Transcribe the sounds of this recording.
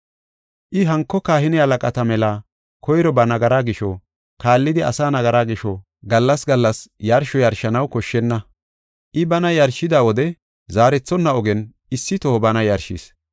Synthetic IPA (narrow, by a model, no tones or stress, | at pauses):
ʔɪɦɐŋkːɔkaːhɪnɪhɐlɐkʼɐt̪ɐmɛlaː | kʰɔjɾɔbɐnɐɡɐɾaːɡɪʃɔ | kaːlːɪd̪ɪɐ̰saːnɐɡɐɾaːɡɪʃɔ | ɡɐlːɐsɡɐlːɐsjɐɾʃɔjɐɾʃɐnɐwkɔʃːɛnːɐ | ʔɪbɐnɐjɐɾʃɪd̪aːwɔd̪ɛ | zaːɾɛt͡sːɔnːɐɔɡɛnʔɪsːɪt̪ɔɔbɐnɐjɐɾʃḭs